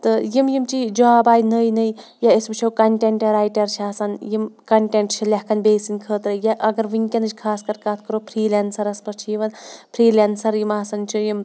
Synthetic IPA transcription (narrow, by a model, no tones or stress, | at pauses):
t̪ɨjimjimt͡ʃid͡ʒaːbaːjnəːjnəj | jaisbɨt͡ʃʰɐwkɐɳʈeɳʈɐɾaːjʈɐɾt͡ʃʰiaːsɐnjimkɐɳʈeɳʈt͡ʃʰilʲɐhkɐnbeːsinʲkʰəːt̪ɾɐjaʔɐɡɐɾʋiŋʲkʲɐnɨt͡ʃʰkʰaːskɐɾkat̪ʰkɐɾopʰɾiːlʲansɐɾɐspɐɾt͡ʃʰijiʋɐnpʰɾiːlʲansɐɾjimaːsɐnt͡ʃʰijim